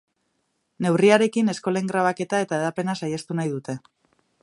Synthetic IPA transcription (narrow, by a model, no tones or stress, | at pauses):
ne̞wriaɾe̞kine̞sko̞leŋɡɾaβ̞ake̞t̪ae̞t̪aeðape̞nasajast̪unajðut̪e̞